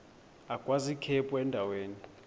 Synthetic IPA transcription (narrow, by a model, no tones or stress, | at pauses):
akʼwazikʰɛpʼɔɛndʱaweːni